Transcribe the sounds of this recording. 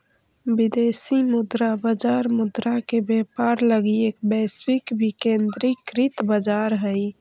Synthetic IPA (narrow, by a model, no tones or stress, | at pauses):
bid̪eːsimʊd̪ɾabəd͡ʒaɾmʊd̪ɾakebepaɾləɡieːkbɛswikbʱikẽnd̪ɾikɾɪt̪bəd͡ʒaɾɦəj